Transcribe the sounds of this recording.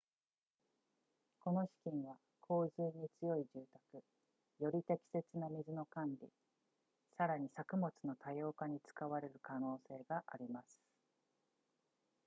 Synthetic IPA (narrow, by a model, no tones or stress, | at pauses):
ko̞no̞ɕi̥kʲĩɰ̃βa | kʰo̞ːzɨːɲ̟it͡sɨjo̞iʑɨːt̪akɯ̟ | jo̞ɾʲit̪e̞kʲi̥se̞t͡sɨnamʲizɨno̞kãnɾʲḭ | saɾaɲ̟isakɯ̟mo̞t͡sɨno̞t̪ajo̞ːkaɲ̟it͡sɨ̥kaβaɾe̞ɾɯ̟kano̞ːse̞ːɡaʔa̰ɾʲimasɨ̥